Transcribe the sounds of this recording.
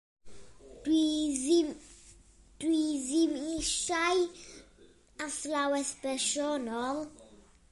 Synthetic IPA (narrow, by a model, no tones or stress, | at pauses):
izm | d̥wizimiʃaj | aslawɛspɛʃɔnɔl